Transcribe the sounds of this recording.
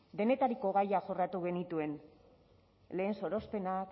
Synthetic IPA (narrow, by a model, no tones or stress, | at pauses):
d̪e̞ne̞t̪aɾiko̞ɣajaʝo̞rat̪uɣe̞nit̪ue̞n | le̞ːnso̞ɾo̞spe̞nak